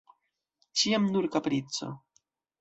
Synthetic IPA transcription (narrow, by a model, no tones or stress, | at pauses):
t͡ʃiamnuɾkapɾit͡so̞̰